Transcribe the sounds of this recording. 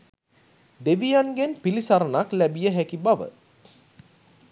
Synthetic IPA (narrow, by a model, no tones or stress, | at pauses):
d̪eʋijanɡenpilisaɾənaklæbijəɦækibaʋə̰